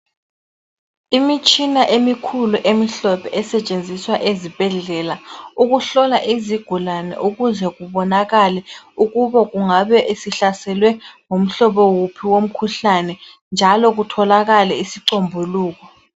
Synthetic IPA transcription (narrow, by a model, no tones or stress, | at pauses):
imit͡ʃʼinaʔemikʰuluʔemiɬɔpɛʔɛsɛt͡ʃʼend͡zʱiswaʔezib̥ʱɛɮɛlauɣuɬɔlaʔiziɡ̥ʱulanɛ̰ʔuɣuzɛɣuβɔnaɣalɛuɣuβɔɣuŋaβɛʔesiɬasɛlwɛŋom̩ɬɔβɔwupʰiwom̩kʰuɬanɛ | nd͡ʒʱalɔɣ̬utʰɔlaɣalɛisiǀombʱuluːɣ̬ɔ